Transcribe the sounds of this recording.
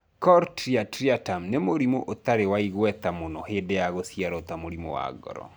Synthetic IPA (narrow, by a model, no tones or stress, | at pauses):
kɔɾtɾiatɾiatamnemoɾimoʔot̪aɾewaiɣwɛt̪amonɔhedejaɣosjaɾɔt̪amoɾimo̰wa̰ɡɔ̰ɾɔ̰